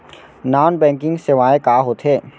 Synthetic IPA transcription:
naːnbɛ̃ːŋkɪ̃ŋɡsɪʋaːekaːɦot̪ɦeː

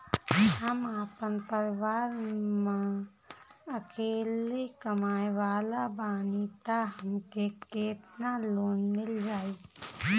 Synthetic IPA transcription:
həmaːpənpəɾʋaːɾmã | əkeːlekəmaːeʋaːlabaːnit̪aɦəmkeket̪naloːnmɪld͡ʒaːi

